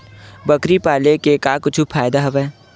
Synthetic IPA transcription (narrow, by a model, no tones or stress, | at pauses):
bɐkɾipaːlekekaːkʊt͡ʃʰupʰaːjd̪aɦɐʋɛː